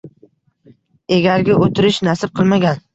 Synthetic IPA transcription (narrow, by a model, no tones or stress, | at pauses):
eɡʲaɾɡʲaʔot̪ʰɪɾɪʃnasɪb̚qʰɨlˠmaɡʲan